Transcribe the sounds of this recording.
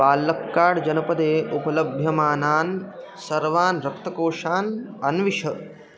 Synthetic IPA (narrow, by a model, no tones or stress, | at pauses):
paːlːɐkːaːɽd͡ʒɐnɐpɐd̪eːʔupɐlɐbʱjɐmaːnaːn | sɐɾʋaːnɾɐk̚t̪ʰɐkoːʂaːnɐnʋiʂɐ